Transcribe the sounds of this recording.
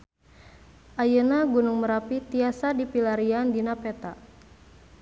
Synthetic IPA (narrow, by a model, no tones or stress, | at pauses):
ʔajənaɡunʊŋməɾapit̪iasadipilaɾiandinapɛt̪a